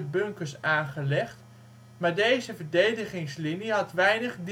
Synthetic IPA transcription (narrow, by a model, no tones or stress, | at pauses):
bɵŋkəɹsaːnχəlɛχt | maːɹdejzəvəɹdejdəχɪŋsliniɦɑtʋɛjnəχd